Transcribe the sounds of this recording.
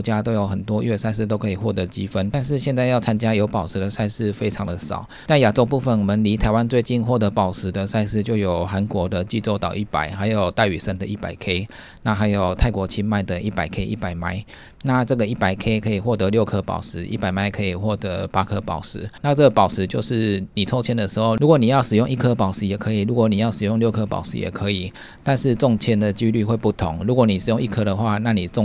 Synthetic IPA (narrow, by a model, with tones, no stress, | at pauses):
t͡ɕja˦˥t̪o˥ʊjo˧˩ʊxə˨˩nt̪wɔ˥ɥɛ˥˧˩sa˥˧ɪs̬̩˥t̪o˥ʊkʰɤ˧˥i˨˩xwɔ˥˩t̪ɤ˧˥t͡ɕi˦˥fə˦nt̪a˥˧nʂ̬ɻ̩˥˧ɕjɛ˥˧nt͡sa˥˧ɪjɑ˥˩ʊt͡sʰa˥nt͡ɕja˥jo˧˥ʊpɑ˨˩ʊʂ̩˧˥d̪ə˨sa˥˧ɪʂɻ̩˥˩fe˥ɪʈ͡ʂʰɑ˧˥ŋd̪ə˨ʂɑ̰˨˩˦ʊt͡sa˥˩ɪja˨˩ʈ͡ʂo˥ʊp̬u˥˧fə˥˩nwɔ˨˩mə˦nli˧˥t̪ʰa˧˥ɪwa˦nt͡swe˥˧ɪt͡ɕi˥˧nxwɔ˥˩t̪ɤ˧˥pɑ˨˩ʊʂɻ̩˧˥d̪ə˧sa˥˧ɪsɹ̩˥˧t͡ɕjo˥˩ʊjo˨˩ʊxa˧˦nkwɔ˧˥d̪ə˧t͡ɕi˥˧t͡so˥ʊt̪ɑ˨˩ʊi˥˩pa̰˨˩ɪxa˧˥ɪjo˨˩ʊt̪a˥˩ɪy˨˩ʂə˥˩nd̪ə˨i˥˩pa̰˨˩ɪkʰe˥ɪ | na˥˩xa˧˥ɪjo˨˩ʊt̪ʰa˥˩ɪkwɔ˧˥t͡ɕʰi˥nma˥˩ɪd̪ə˩ʔi˥˩pa˨˩ɪkʰe˥ɪʔi˥˩pa˨˩ɪma˥ɪ | na˥˧ʈ͡ʂɤ˥˩ɡə˩˨i˥˩pa˨˩ɪkʰe˥ɪkʰɤ˧˥i˨˩xwɔ˥˩t̪ɤ˧˦ljo˥˩ʊkʰɤ˦pɑ̰˨˩ʊʂɻ̩˧˥ʔi˥˩pa˨˩ɪma˥ɪkʰɤ˧˥i˨˩xwɔ˥˩t̪ə˧˦˥pa˥kʰɤ˦pɑ˨˩˦ʊʂɻ̩˧˦na˥˧ʈ͡ʂə˥˩ɡə˩pɑ˨˩ʊʂɻ̩˧˦t͡ɕjo˥˧ʊʂɻ̩˥˩ni˨˩t͡sʰo˥ʊt͡ɕʰjɛ˥nd̪ə˨ʂɻ̩˧˥xo˥˧ʊlu˧˥kwɔ˨˩ni˨˩jɑ˥˩ʊʂɻ̩˨˩jʊ˥˧ŋi˥˩kʰɤ˦pɑ˨˩ʊʂɻ̩˧˦jɛ˨˩kʰɤ˧˥i˨˩lu˧˥kwɔ˧˩˦ni˨˩jɑ˥˩ʊʂɻ̩˨˩jŋljo˥˩ʊkʰɤ˥pɑ̰˨˩ʊʂɻ̩̰˧˥jɛ̰˨˩kʰə˧˦i˨˩ | t̪a˥˧nʂɻ̩˥˧ʈ͡ʂɔ˥˧ŋt͡ɕʰjɛ˥nd̪ə˨t͡ɕy˥ly˥˧xwe˥˧ɪpu˥˩t̪ʰʊ̰˧˦ŋlu˧˥kwɔ˨˧˦ni˨˩ʂɻ̩˨˩jo˥˧ŋi˥˩kʰɤ˦ɾə˨xwa˥˧na˥˩ni˨˩ʈ͡ʂʊ˥˨ŋ